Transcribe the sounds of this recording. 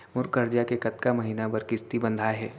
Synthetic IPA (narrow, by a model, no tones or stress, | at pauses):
mʊɾkəɾd͡ʒjakekɐt̪kamɐɦiːnabɐɾkɪst̪ibə̃nd̪ʱaɦɛː